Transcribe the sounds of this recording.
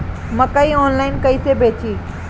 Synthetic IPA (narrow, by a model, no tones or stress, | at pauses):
mɐkaiɔːnlaːɪnkɐisebʱeːt͡ɕʰiː